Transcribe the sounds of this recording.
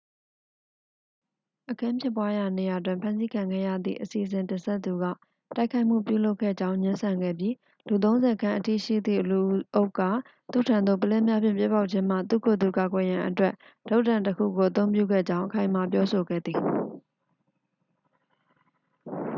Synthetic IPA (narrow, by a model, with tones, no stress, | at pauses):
ʔəkʰã˦mpʰjɪ˦˨pːwa˦ja˨ne˨ja˨t̬wɪ̃˨mpʰã˦nzi˦kʰã˨ŋɡɛ̰˦˨jä̰˦˨d̪ðḭ˦˨ʔəsi˨əzɪ̃˨ntɪ̃˨nsɛ˦t̪ːu˨ɡä̰˦˨ | ta˦ɪkʰa˦ɪʔm̥ṵ˦˨p̬jṵ˦˨lo˦ʊkʰɛ̰˦˨d͡ʑã˦ʊ̃ɲɪ̃˦nsã˨ŋɡɛ̰˦˨bji˦ | lu˨t̪̬õ˦ʊ̃nzɛ˨kʰã˦ʔətḭ˦˨ʃḭ˦˨d̪ðḭ˦˨lu˨ʔʔo˦ʊkːa˦˨ | t̪ṵ˦˨tʰã˨nd̪o̰˦˨pəlɛ˦mja˦pjɪ̰̃˦˨pjɪ˦pːa˦ʊʔ̚t͡ɕʰɪ̃˦m̥a̰˦˨t̪ṵ˦˨kʰo˨d̪u˨ka˨ɡwɛ˨jã˨ʔətwɛ˦ʔ | d̥o˦ʔtːã˨ntəkʰṵ˦˨ɡo˨ʔə˨t̪õ˦ʊ̃pjṵ˦˨ɡɛ̰˦˨d͡ʑã˦ʊ̃ʔəkʰã˨ɪ̃ma˨pjɔ˦so˨ɡɛ̰˦˨d̪ði˨